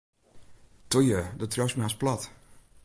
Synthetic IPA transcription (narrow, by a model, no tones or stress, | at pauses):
tujədətʰrɔsmɛasplɔt